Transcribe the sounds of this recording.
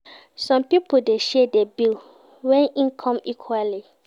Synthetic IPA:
sɔ̃mpipodeʃɛdɛbil | wɛ̃nĩnkʰɔ̃mikʰwali

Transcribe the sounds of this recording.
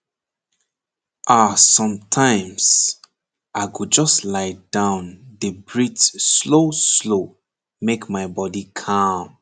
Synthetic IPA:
ʔasʌ̃mtʰãɪ̃ms | aɪɡud͡ʒʌstlaɪd̥ãʊ̃nðəbɹitsloslo | mekmaɪbɔdikʰam

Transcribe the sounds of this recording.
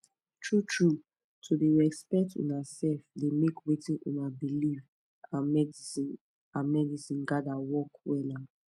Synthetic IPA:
tʰɹutʰɹu | tʰodeɹɛkspɛk̚tʰṵnasɛlfdemekwetĩnʔṵnabiliv | ãmɛdsin | ãmɛdisĩnɡadawɔkwɛla

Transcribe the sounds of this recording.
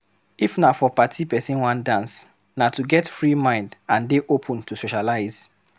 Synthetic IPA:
ifnafɔpatʰipɛsĩnwãndãns | natuɡɛtfɹimãɪ̃ndãndeʔopʰũntusoʃalaɪz̥

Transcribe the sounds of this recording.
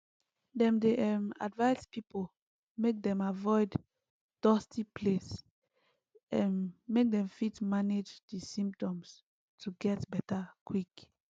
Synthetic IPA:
dɛ̃mdeʔɛma̰dvaɪzpipo | mek̚dɛ̃mavɔɪd | d̥ɔstʰipʰles | ɛ̃nmek̚dɛ̃ɱfitmaned͡ʒdisĩmp̚tɔ̃ms | tʰuɡɛtbɛtakʰwik

